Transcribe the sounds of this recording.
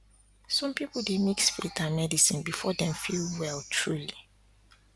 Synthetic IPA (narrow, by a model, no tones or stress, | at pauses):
sɔ̃mpipl̩demiksfilitʰamɛdisĩnbifɔdɛ̃mfilwɛltʰɹuli